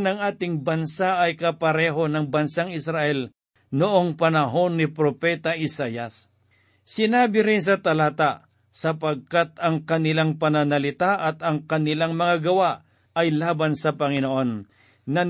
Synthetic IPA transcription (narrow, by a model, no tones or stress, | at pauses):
nɐŋʔaːt̪ɪŋbɐnsaʔɐjkɐpɐɾɛːɦo̞nɐŋbɐnsaŋɪsɾaʔɛl | nʊʔo̞ŋpɐnɐɦo̞nːɪpɾopɛt̪ɐʔɪsaːjɐs | sɪnaːbɪɾɪns̬ɐt̪ɐlaːt̪aʔ | sɐpɐɡ̚kat̪̚ɐŋkɐnɪlaŋpɐnɐnɐlɪt̪aʔɐt̪ɐŋkɐnɪlaŋmɐŋaɡɐwaʔ | ʔɐjlaːbansɐpɐŋɪnoʔo̞nː | ɐ